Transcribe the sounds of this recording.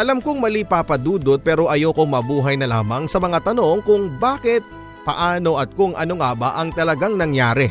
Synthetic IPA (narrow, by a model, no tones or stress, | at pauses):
ʔɐlɐmkoŋmɐlipaːpɐd̪uːd̪ot̪̚pɛːɾo̞ʔɐjokoŋmɐbuːɦɐjnɐla̰ːmɐŋsɐmɐŋat̪ɐno̞ŋkʊŋbaːkɪt̪̚ | pɐ̰ʔaːno̞ʔɐt̪̚kʊŋʔɐno̞ŋabɐʔɐŋt̪ɐlɐɡaŋnɐŋjaːɾɛ